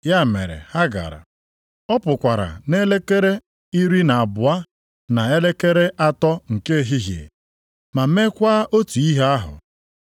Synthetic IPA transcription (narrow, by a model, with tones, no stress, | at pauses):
ja˦˨mḛ˨ɾḛ˨ha˦ɡa̰˨ɾa̰˨ | ɔ˦pʊ˨kʷa˨ɾa̰˨ne˦le˦ke˦ɾe˦ | i˦ɾi˦na˨a˨bʊ˨a˦ | na˨e˦le˦ke˦ɾe˦ʔa˦tɔ˦ŋ̩˨ke˦˨ɦi˦ɦi˨e˨ | ma˨˦me˦kʷa˦ʔo˦tu˨i˦ɦe˦a˦ɦʊ̰˨